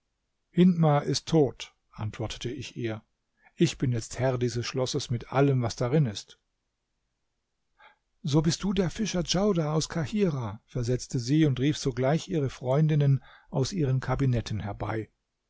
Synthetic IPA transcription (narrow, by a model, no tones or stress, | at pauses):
hɪnmaʔɪstʰːoːt | ʔantv̥ɔɐtʰə̥tʰəɪçʔiːɐ | ʔɪçb̥ɪnjɛt͡sthɛɐdiːzəsʃlɔsəsmɪtʔa̰ləmvasd̥aʁɪnɪst | zoːbɪst̚d̥uːdeːɐfɪʃɐd͡ʒaʊdaaʊskʰahiːʁafɛɐzɛt͡stəziːʊntʁiːfz̥oːɡlaɪçʔiːʁəfʁ̥ɔʏndɪnən | ʔaʊsʔiːʁənkʰabinɛtn̩hɛɐba̰ɪ